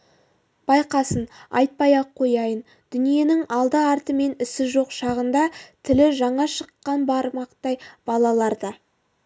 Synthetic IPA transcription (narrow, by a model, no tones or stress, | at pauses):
b̥ɑjqɑsənɑ̰jt̪̚pɑjɑqʰːo̞jɑjən | d̪̥ʏnije̞nɪŋɑlˠd̪əɑɾt̪əme̞nɪsɪʒo̞qʃɑʁənd̪ɑt̪ʰɪlɪʒɑɴɑʃəqːɑnbɑɾmɑqt̪ɑjb̥ɑlˠɑlˠɑɾd̪ə